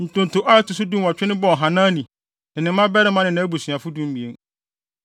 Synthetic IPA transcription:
n̩˨tʊ̃˨n˨tʊ˨ʔa˦tʊ˨s̬ʊ˦dũ˦m˦wa˨t͡ɕᶣɪ˦nɪ̃˦bɔ˦˨ɦã˨nãː˦nĩ˨ | nɪ̃˨nɪ̃˨m˦mã˦bɛ˦ɾɪ˦mã˦nɪ̃˨nã˦bu˨sɥa˨fʊ˦dũ˦m˦bi˨e˦n

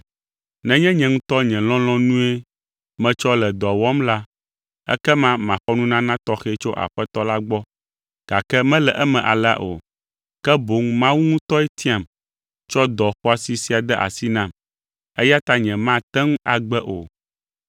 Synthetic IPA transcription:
nɛ̃˨ɲɛ̃˦ɲɛ̃˨ŋũ˦t̪ɔ˦ɲɛ̃˨lɔ̃˦l̃ɔ̃˦nũ˦e˦ | mɛ̃˨t͡ʃɔ˦lɛ˨d̪ɔ˨wɔ˦mla˦ | ɛ̰˦kɛ˦mã˦mã˨xɔ˦nũ˦nã˦nã˦t̪ɔ˦xɛ˦t͡ʃo˦ʔa̰˨ɸɛ˦t̪ɔ˦la˦ɡ͡bɔ˦ | ɡ̥a˨kɛ˦mɛ̃˦lɛ˨ʔɛ˦mɛ̃˨ʔa̰˨la̰˦ʔo̰˨ | kɛ˦bo˨ŋmã˦wu˦ŋũ˦t̪ɔ˦ɛ˦t̪ʰi˦a˦˨m | t͡ʃɔ˦d̪ɔ˨xɔ˦a˨si˨si˦a˨d̪ɛ˦ʔa̰˨si˦nã˦m | ɛ˦ja˦t̪a˦ɲɛ̃˨mã˦t̪ɛ˦ŋũ˦a˨ɡ͡bɛ˦ʔo̰˨

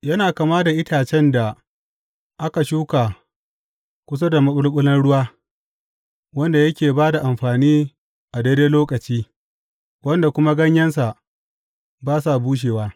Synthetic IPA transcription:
jɐ˦naː˨kaː˨maː˦da˨ʔɪ˦tʰaː˨t͡ʃɛ˦nda˨ | ʔa˦ka˨ʃuː˦kaː˨ | kʷʊ˦s̬a˦da˨mɐ˦ɓʊ˦ɽɓʊ˦lɐ˦nɽʊ˦waː˦ | wɐ˦nda˨jɐ˦kʲeː˨baː˦da˨ʔa˨mɸaː˨niː˦ | ʔa˨deː˦deː˦loː˦kʼɐ˨t͡ʃiː˦ | wɐ˦nda˨kʷʊ˦ma˦ɡɐ˦ɲjɐ˦ns̬a˨ʔ | baː˦s̬a˨buː˦ʃ̬eː˨waː˦

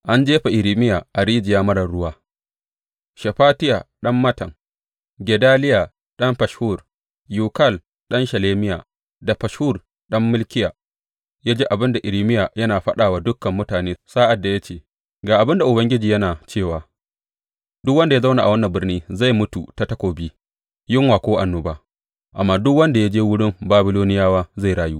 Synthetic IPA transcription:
ʔa˦nd͡ʒeː˦ɸa˨ʔɪ˨ɾiː˦mɪ˦jaː˨ʔa˨ɾiː˦d͡ʒɪ˨jaː˦mɐ˦ɽɐ˨ɽʊ˦waː˦ | ʃɐ˨ɸaː˦tɪ˦ja˨ɗɐ˦mːɐ˦tɐ˨ŋ | ɡʲɛ˨daː˦lɪ˦ja˨ | ɗɐ˦mɸɐ˨ʃhuː˦˨r | juː˨kɐ˦˨l | ɗɐ˦nʃɐ˨leː˦mɪ˦jaː˨ | da˨ɸɐ˨ʃhu˦˨r | ɗɐ˦mːʊ˦lkʲɪ˦jaː˨ | jaː˦d͡ʒeː˦ʔa˨bɪ˦nda˨ʔɪ˨ɾi˦mɪ˦jaː˨jɐ˦naː˨ɸɐ˦ɗaː˨waː˦dʊ˦kːɐ˨mːʊ˦taː˨neː˦saː˦ʔa˨dːa˨ja˦t͡ʃeː˦˨ | ɡaː˨ʔa˨bɪ˦nda˨ʔʊ˨bɐ˦ŋɡʲɪ˦d͡ʒiː˨jɐ˦naː˨t͡ʃeː˦˨waː˨ | dʊ˦kwɐ˦nda˨ja˦za˦wna˨a̰˨wɐ˦nːɐ˨bɪ˦rniː˦za˦˨jmʊ˦tu˨ta˦tɐ˦kʷoː˨biː˦ | jɪ˦ŋwaː˨kʷoː˦ʔa˨nːʊ˨baː˦ | ʔa˨mːaː˦dʊ˦kwɐ˦nda˨ja˦d͡ʒeː˦wʊ˦ɽɪ˦mbaː˦bɪ˦loː˦nɪ˦jaː˦waː˦za˦˨ɽaː˨juː˦

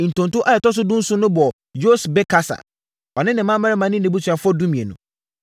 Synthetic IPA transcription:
n̩˨tʰʊ̃˨ntʊ̃˦ʔa˦jɛ˨tɔ˦s̬ʊ˦dʊ̃˦n̩˦sʊ˦nʊ̃˦bɔ˨ | jo˦sbɛ˦kʰa˦sa̰˨ | ɔ˨nɪ̃˦nɪ̃˨mã˦ma˦ɾɛ˦mã˨˦nɪ̃˦nɪ̃˦bu˦tʰɥa˨fʊ˦ɔ˦dũ˦mĩ˨e˨nʊ̰̃˨

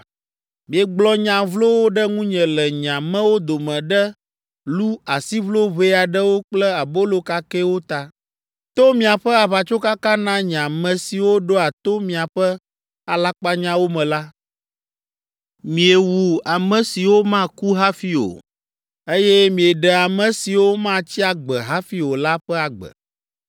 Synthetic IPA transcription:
mĩ˨ɛ˨ɡ͡blɔ˦ɲã˨vlo˦wo˦ɖɛ˦ŋũ˦ɲɛ̃˨lɛ˨ɲã˨mɛ̃˦wo˦d̪o˨mɛ̃˨ɖɛ˦ | lu˦a˨si˦vlo˦βe˦a˨ɖɛ˦wo˦k͡plɛ˦a˨bo˦lo˨ka˦kɛ˦wo˦t̪a˨ | t̪o˦mĩ˨a˨ɸɛ˦a˨βa˨t͡ʃo˦ka˦kã˦nã˦ɲ˨ã˨mɛ̃˨si˨wo˦ɖo˦a˨t̪o˦mĩ˨a˨ɸɛ˦ | a˨la˦k͡pa˦ɲã˦wo˦mɛ̃˨la˦ | mĩ˨e˨wu˨a˨mɛ̃˨si˨wo˦mã˦ku˦ɦa˦fi˦o̰˨ | e˦jɛ˦mĩ˨e˨ɖɛ˨a˨mɛ̃˨si˨wo˦mã˦t͡ɕi˦a˨ɡ͡bɛ˨ɦa˦fi˦wo˨la˦ɸɛ˦a˨ɡ͡bɛ̰˨

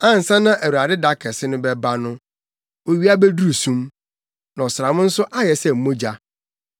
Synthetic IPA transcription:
ã˦˨n̩˨sã˦nã˦ʔæ˨wu˨ɾa˨dɪ˦da˨kʰɛ˨sɪ˦nʊ̃˦bɛ˦ba˦nʊ̃˦ | wo˨ɥi˦a˦bɛ˦du˦ɾu˨sũ˦m | nã˨sɾa˨mʊ̃˦n̩˦sʊ˦ʔa˦jɛ˨sɛ˨m̩˨mõ˦d͡ʑa˦

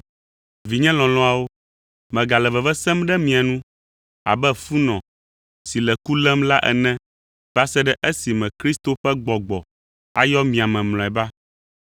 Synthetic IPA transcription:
vi˨ɲɛ̃˦lɔ̃˨lɔ̃˦a˨wo˦ | mɛ̃˨ɡa˨lɛ˨vɛ˨vɛ˦sɛ˦mɖɛ˦mĩ˨a˨nũ˦ | a̰˨bɛ˦fu˦nɔ̃˨ | si˨lɛ˨ku˦lɛ˦mla˦ʔɛ̰˨nɛ̃˦ | ba˦sɛ˦ɖɛ˦ʔe˦si˨mɛ̃˨kɾi˦st̪o˦ɸɛ˦ɡ͡bɔ˨ɡ͡bɔ˨ | a˨jɔ˦mĩ˨a˨mɛ̃˨ml̃ɔ̃˨ɛ˨ba˦

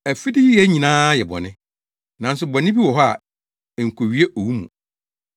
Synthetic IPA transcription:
æ˨fi˦dɪ˦ji˦jɛ˦ɲĩ˨nãː˦jɛ˨bɔ̰˨nɪ̃˦ | nã˨n̩˦s̬ʊ˨bɔ˨nɪ̃˦bi˦wɔ˨ɦɔ˦a˨ | ŋ̩˨kʰo˨ɥi˦e˦ʔo˨wu˦mṵ̃˨

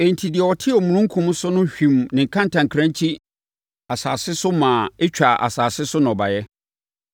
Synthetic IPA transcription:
e˨n̩˨tʰi˨dɪ˨ɛ˨wɔ˨tʰɪ˦ɔ˨mũ˨ɾ̃ʊ̃˦ŋ̩˦kʰũ˦m˦sʊ˦nʊ̃˦ɕᶣĩ˨mnɪ̃˨ŋ̩˨kʰã˦n˨tʰã˨ŋkʰɾã˦ɲ˦t͡ɕʰi˦ | a˨saː˨sɪ˦sʊ˦mãː˨e˦t͡ɕᶣa˨ʔa̰˨saː˨sɪ˦sʊ˦nɔ̃˨ba˨jɛ˦

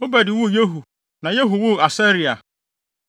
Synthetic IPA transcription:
o˦bɛ˨dɪ˨wu˦˨je˦ɦu˨ | nã˨je˦ɦu˨wu˦˨a˨sɛ˦ɾi˨a˨

